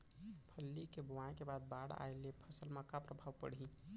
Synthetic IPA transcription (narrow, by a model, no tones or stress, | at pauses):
pʰəlːikebʊwãẽkebad̪̚baɽa̰elepʰəsəlmãkapɾəbʱaʋpə̰ɽ̤i